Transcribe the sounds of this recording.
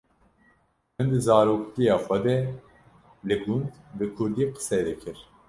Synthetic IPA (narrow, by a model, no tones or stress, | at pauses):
ɛnd̪ɨzaːɾokt̪ʲijaxwad̪ɛ | lɨɡund̪bɨkʰuɾd̪iqʰɨ̥sɛd̪ɛcʰɪɾ